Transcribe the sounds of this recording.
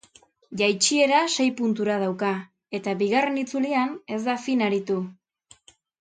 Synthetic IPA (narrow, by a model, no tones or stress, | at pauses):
ʝajt͡ʃie̞ɾase̞jpunt̪uɾað̞awka | e̞t̪aβiɣare̞nit͡suliane̞zd̪afinaɾit̪u